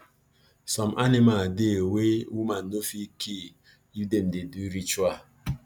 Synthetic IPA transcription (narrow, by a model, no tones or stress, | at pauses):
sɔmʔanimadewewumanofikʰi | jidem̩deduɾit͡ʃua